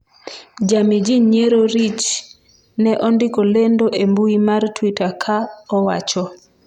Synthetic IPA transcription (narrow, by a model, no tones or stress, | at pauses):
d͡ʒamid͡ʒiɲeɾoɾit͡ʃ | nɛʔɔndɪkolendoʔembuimartwitakʰaɔwa̰t͡ʃɔ